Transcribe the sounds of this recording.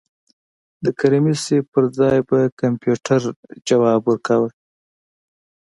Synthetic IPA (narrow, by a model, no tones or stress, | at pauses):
d̪əkaɾimisepəɾzɑjbakampjuʈʰaɾd͡ʒawɑbwəɾkʰawə